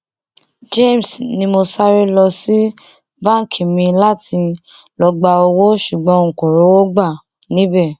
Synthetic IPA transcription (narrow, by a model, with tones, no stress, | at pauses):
d͡ʒe˦˨m˨snĩ˧mo˧sa˦ɾe˦lɔ˧si˦ | bã˦ŋ˨kʰi˨mĩ˧la˦ti˧ | lɔ˧ɡ͡ba˧o˧wo˦ʃu˨ɡ͡bɔ̃˨˦ŋ̩˨kɔ˨ɾo˨˦wo˦ɡ͡ba˦˨ | nĩ˨˦bɛ˦˨